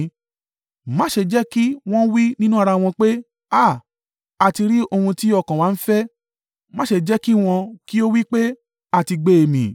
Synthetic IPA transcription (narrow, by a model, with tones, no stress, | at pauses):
mã˦ʃe˧d͡ʒɛ˦ki˦w̃ɔ̃˦wi˦nĩ˦nũ˦a˧ɾa˧w̃ɔ̃˧k͡pe˦ | a˦˨ | a˨ti˧ɾi˦o˧hũ˧ti˦ɔ˦˨kã˨wa˨˦n̩˦fɛ˦ | mã˦ʃe˧˨d͡ʒɛ˦ki˦w̃ɔ̃˧ki˦o˦wi˦k͡pe˦ | a˦˨ti˧ɡ͡be˨e˨mĩ˨